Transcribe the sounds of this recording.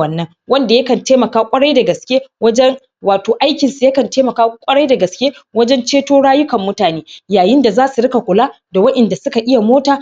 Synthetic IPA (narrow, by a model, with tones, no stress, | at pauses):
ɐ˨nːɐ˦ŋ | wɐ˦nda˨jɐ˦kɐ˨nteː˦mɐ˨kaː˦kʷʼɐ˦ɽɐ˦jda˨ɡɐ˨skʲeː˦wɐ˦d͡ʒɛ˦ŋ | waː˨toː˨ʔa˦jkʲɪ˨nsu˨jɐ˦kɐ˨nteː˦mɐ˨kaː˦kʷʼɐ˦ɽa˦jda˨ɡɐ˨skʲeː˦wɐ˦d͡ʒɛ˦nt͡ʃeː˦toː˦ɽaː˦jʊ˦kɐ˨mːʊ˦taː˨neː˦jaː˨jɪ˦nda˨zaː˦su˨ɽɪ˦ka˨kʷʼʊ˨laː˦ | da˨wɐ˦ʔɛ˨nda˨sʊ˦ka˨ʔɪ˦ja˨moː˦taː˨